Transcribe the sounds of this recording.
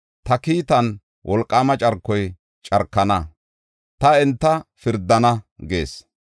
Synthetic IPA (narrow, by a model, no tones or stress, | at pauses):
t̪ɐkiːt̪ɐn | wʔɔlkʼːaːmɐt͡ʃʼɐɾkːɔj | t͡ʃʼɐɾkːɐnɐ | t̪ɐɛnt̪ːɐfɪɾd̪ːɐnɐɡe̞ːs